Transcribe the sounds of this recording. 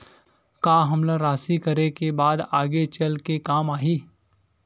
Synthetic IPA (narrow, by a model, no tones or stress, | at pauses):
kaːɦɐmlaɾaːsikɐɾekebaːd̪aːɡet͡ʃɐlkekaːmaːɦiː